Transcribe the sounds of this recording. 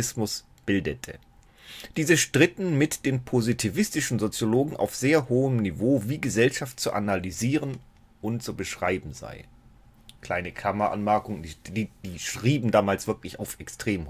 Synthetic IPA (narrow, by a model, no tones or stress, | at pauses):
ɪsmʊs | b̥ɪldətʰə̰ | d̥iːzəʃtʁ̥ɪtn̩mɪtd̥eːnpʰozitʰivɪstɪʃn̩zot͡sjoloːɡŋ̩ʔa̰ʊfz̥eːɐhoːəmnivoːviːɡəzɛlʃaft̚t͡suʔa̰nalyziːʁən | ʔʊntt͡subəʃʁ̥aɪbm̩za̰ɪ | kl̥aɪnəkʰamɐʔa̰nmɛɐkʊŋəndid̥iːʃʁ̥iːbm̩daːmaːlsv̥ɪɐklɪçaʊfʔɛkstʁ̥eːm